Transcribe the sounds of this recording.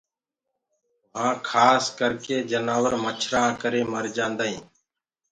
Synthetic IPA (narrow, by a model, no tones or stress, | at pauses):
ɦãːkʰaːskəɾkeːd͡ʒənaːʋəɾmət͡ʃʰɾaːkəɾeːməɾd͡ʒãːnd̪aːɦĩː